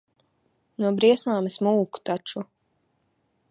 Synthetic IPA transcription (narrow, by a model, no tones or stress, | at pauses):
nuɔbɾiɛsmaːmesmuːku̥t̪at͡ʃu